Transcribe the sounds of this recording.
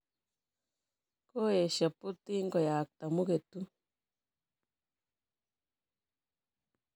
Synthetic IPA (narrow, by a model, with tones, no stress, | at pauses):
ko˦e˨ʃa˨pu˦t̪i˦ŋɡo˨jaː˨k̚t̪a˨mu˦ke˨t̪u˦